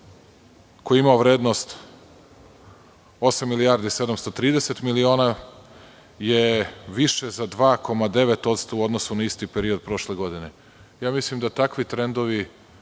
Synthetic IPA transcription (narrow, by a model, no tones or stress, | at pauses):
ko̞jiimaoʋɾe̞ːd̪no̞st̪ | o̞samːilijaɾd̪ised̪amst̪ot̪ɾiːd̪eset̪milio̞ːna | jeʋiʃezad̪ʋaːko̞mad̪e̞ʋet̪o̞t̪st̪o̞uo̞d̪nosunaist̪ipeɾio̞d̪̚pɾo̞ʃleɡo̞d̪ine | jaːmislimd̪at̪akʋit̪ɾe̞nd̪o̞ʋi